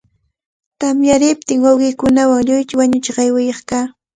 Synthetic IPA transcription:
t̪amjaɾɪp̚t̪ɪŋwawɢɪkʊnawaŋʎʊjt͡ʃ̪ɪwaɲʊt͡ʃɢɑjwɪjɑχkaː

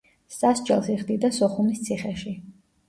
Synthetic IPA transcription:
sasd͡ʒʼɛlˠsiʁd̪id̪asɔχumist̪sʰiχɛʃi

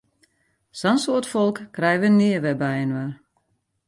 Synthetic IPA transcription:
sansoːətfɔlˠkkrɛjʋənːiəʋɛbɛjənʋər

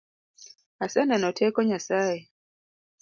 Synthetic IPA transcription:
asɛnɛnɔtʰɛkɔɲasaɛ

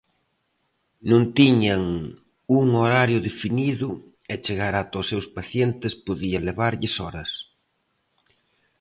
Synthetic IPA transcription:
nũnt̪iɲɐŋ | uŋoɾaɾjʊðefiniðʊ | ɛt͡ʃeɣaɾat̪osːewspaθjent̪ɪspoðiɐleβaɾʎɪsɔɾɐs

